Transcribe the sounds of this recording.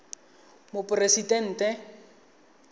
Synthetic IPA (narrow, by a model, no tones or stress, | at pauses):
mʊpʼʊresitɛn̩ːtʼɛ